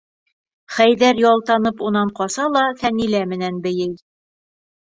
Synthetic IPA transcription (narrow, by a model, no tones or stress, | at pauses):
χæjðæɾjɒlˠt̪ɑnɤpunɑɴqɒsɑlˠɑfænilæmɘ̆nænbɘ̆jɘj